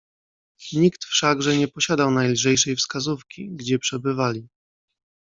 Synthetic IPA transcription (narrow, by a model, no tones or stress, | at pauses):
ɲikt̪fʂaɡʐɛɲɛpɔɕad̪awnajlʐɛjʂɛjfskazufkʲiɡd͡ʑɛpʂɛbɘvalʲi